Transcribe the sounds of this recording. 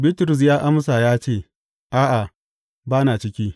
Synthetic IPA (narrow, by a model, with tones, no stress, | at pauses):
biː˦tʊ˨ɾʊ˨s̬jaː˦ʔa˦msa˨jaː˦t͡ʃeː˦˨ | ʔaː˦ʔa˨ | baː˦naː˨t͡ʃɪ˦kʲiː˦